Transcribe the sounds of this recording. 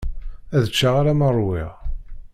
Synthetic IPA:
æðət͡ʃːaʁaɾamərˤwɪ̰ʁ

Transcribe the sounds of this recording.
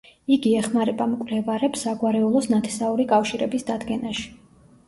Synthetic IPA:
iɡiɛχmaɾɛbamkʼvlɛvaɾɛpsaɡwaɾɛulˠɔsnat̪ʰɛ̥sauɾikʼafʃiɾɛbisd̪ad̪ɡɛnaʃi̥

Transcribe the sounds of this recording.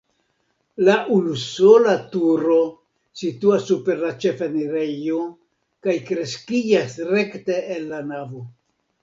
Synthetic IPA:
laʔulusolatuɾo̞ | situasːupe̞ɾlat͡ʃe̞feniɾejo | kajkɾe̞skid͡ʒasɾe̞kte̞ːnːanavo

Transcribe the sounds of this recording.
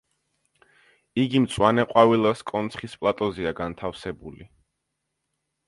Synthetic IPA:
iɡimt̪sʼwanɛqʼwavilˠaskʼɔnt̪sʰχispʼlˠat̪ʼɔziaɡant̪ʰafsɛbuli

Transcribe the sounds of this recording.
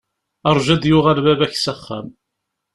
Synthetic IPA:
ɑɾˤʒæd̪jʊʁælbævæçsəχːæ̰m

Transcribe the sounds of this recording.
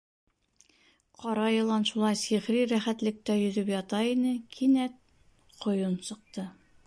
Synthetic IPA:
qɒɾɑjɤ̆lˠɑnʃulˠɑjsiʁɾiɾæχæt̪lɘ̆k̚t̪æjɵ̆ðɵpjɑt̪ɑinɘkʰinæt̪̚ | qʰŏjonsɤ̆q̚t̪ɤ

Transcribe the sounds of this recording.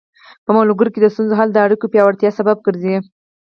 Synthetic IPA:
pəmaluɡəɾked̪əst̪unzoɦald̪əaɽikopjɑwaɽt̪jɑsabab̚ɡəɾzii

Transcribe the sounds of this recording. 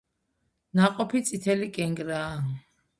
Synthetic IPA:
naqʼɔpʰit̪sʼit̪ʰɛlikʼɛŋɡɾaː

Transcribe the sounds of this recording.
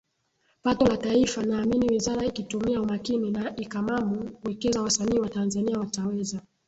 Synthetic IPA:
patɔlataifanaːminiwizaɾaikitumiaumakininaʔikamamukuwɛkɛzawasaniːwatanzaniawatawɛza

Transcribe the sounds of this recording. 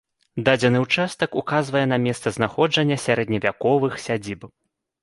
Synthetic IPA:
d̪ad͡zʲɛnɨwt͡ʂast̪ɐkukazvɐjɛn̪ɐmʲɛst̪sɐznaxɔd͡ʐɐnʲːɐsʲaɾɛd̪nʲɐvʲakɔvɨxsʲad͡zʲib

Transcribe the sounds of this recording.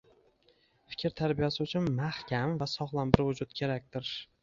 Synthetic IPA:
fɪ̥kʲʰɾt̪ʰaɾbijasɪʊt͡ʃʰʊnmahkʲʰamvasɒχlˠambɪɾvʊd͡ʒʊt̪̚kʲʰe̞ɾak̚ʲt̪ɪɾ

